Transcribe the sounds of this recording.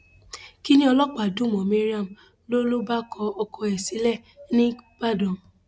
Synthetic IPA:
ki˦nĩ˦ɔ˧lɔ˦k͡pa˨dũ˦˨m˨ɔ˨mẽ˦ɾi˦a˦˨m̩˨ | lo˦lo˦ba˦kɔ˧ɔ˧kɔ˧ɛ˨si˨˦lɛ˦˨nĩ˦b̥a˦˨dɔ̃˨m˨

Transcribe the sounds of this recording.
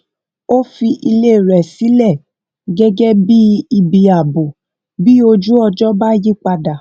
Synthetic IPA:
o˦fi˧ʔi˧le˦˨ɾɛ˨si˨˦lɛ˦˨ | ɡɛ˦ɡɛ˦bi˦i˧bi˧a˨bo˨ | bi˦o˧d͡ʒu˦ɔ˧d͡ʒɔ˦ba˦ji˦k͡pa˧da˨

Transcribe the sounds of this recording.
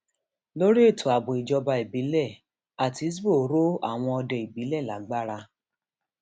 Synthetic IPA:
lo˦ɾi˦e˦˨tʰo˨a˨bo˨i˨d͡ʒɔ˧ba˧i˨bi˨˦lɛ˦˨ | a˨ti˨˦s̬bo˦˨˦ɾo˦a̰˦˨w̃ɔ̃˧ɔ˧dɔ˨i˨bi˨˦lɛ˦˨la̰˨˦ɡ͡ba˦ɾa˧

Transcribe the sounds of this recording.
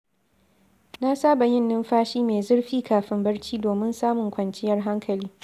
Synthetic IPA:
na˦saː˦ba˨jɪ˦nːɪ˦mɸaː˦ʃiː˦meː˨zʊ˦rɸiː˦kaː˨ɸɪ˦mbɐ˦rt͡ʃiː˦doː˨mɪ˦nsaː˦mʊ˨ŋkʷɐ˨nt͡ʃɪ˦jɐ˦rɦa˦ŋkʰɐ˨liː˦

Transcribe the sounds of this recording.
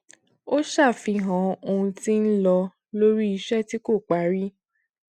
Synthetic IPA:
o˦ʃa˦˨fi˧ɦã˨˦o˧ũ˧ti˦n̩˦lɔ˧ | lo˦ɾi˦i˧ʃɛ˦˨ti˦ko˦˨k͡pa˨˦ɾi˦

